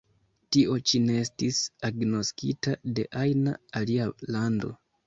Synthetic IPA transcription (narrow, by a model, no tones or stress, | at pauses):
tiʔo̞t͡ʃine̞estisaɡnoskitade̞̰ʔajna̰ːlialando̞̰